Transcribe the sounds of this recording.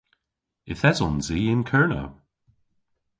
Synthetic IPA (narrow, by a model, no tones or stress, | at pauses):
ɪθɛzɔ̃nziːɪ̃nkʰɜɹnə̰